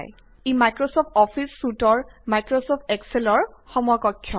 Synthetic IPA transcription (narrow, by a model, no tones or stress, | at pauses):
j | imajkɹosɔp̚ʰtɔpʰisːutɔɹmajkɹosɔp̚ʰtɛkselɔɹxɔmɔakɔkʰːjɔ